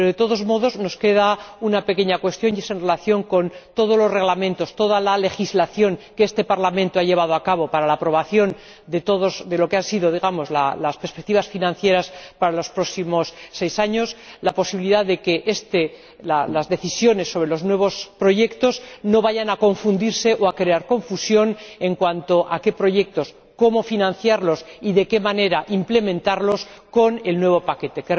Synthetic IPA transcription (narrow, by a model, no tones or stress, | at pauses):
eɾoðe̞t̪o̞ðo̞zmo̞ðo̞zno̞ske̞ð̞aunapeke̞ɲakwe̞st̪jo̞njesoenre̞laθjo̞ŋko̞nt̪o̞ð̞o̞zlo̞zre̞ɣlamẽnt̪o̞st̪o̞ðalale̞xizlaθjo̞ŋkeest̪e̞paɾlamẽ̞nt̪oaʎe̞βað̞oakaβo̞paɾalaːpɾo̞β̞aθjo̞n | d̪e̞t̪o̞ðozd̪e̞lo̞keansiðo̞ð̞iɣ̞amo̞zla̰laspeɾspek̚t̪iβasfinãnθje̞ɾaspaɾalo̞spɾo̞ksimo̞sːe̞jsaɲo̞slapo̞siβiliðaððe̞ke̞ʔest̪e | lalazðe̞θisjo̞ne̞sːo̞β̞ɾelo̞znwe̞β̞o̞spɾo̞ʝe̞kt̪o̞zno̞βaʝanako̞ɱfund̪iɾse̞ʔoakɾe̞aɾko̞ɱfusjo̞ne̞ŋkwant̪o̞ʔake̞pɾo̞ʝe̞k̚t̪o̞s | ko̞mo̞finãnθjaɾlo̞siðe̞ke̞mane̞ɾaʔimple̞mẽ̞nt̪aɾlo̞sko̞ne̞lnwe̞β̞o̞pake̞t̪e̞ke